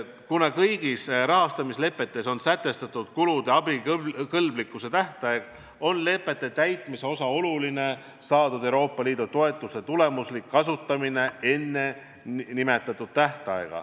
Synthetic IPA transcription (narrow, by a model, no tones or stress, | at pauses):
kunɑkɤjɡ̥isrɑɦɑst̪ɑmisle̞pːˑe̞t̪ːˑe̞so̞nsæt̪ːˑe̞st̪ɑt̪ːud̪̥kulud̪̥eɑbikɤlblikːˑuse̞t̪æht̪ɑeɡ̥ | o̞nle̞pːˑe̞t̪ˑːe̞t̪æjt̪ˑmise̞o̞sɑo̞luline̞ | sɑːd̪ud̪ewɾo̞ːpːˑɑliːd̪̥ut̪o̞e̞t̪ːˑuse̞t̪ule̞muslikːɑsut̪ˑːɑmine̞e̞nːe̞ | nime̞t̪ːˑɑt̪ːˑud̪̥̚t̪æht̪ɑ̰eɡ̥ɑ̰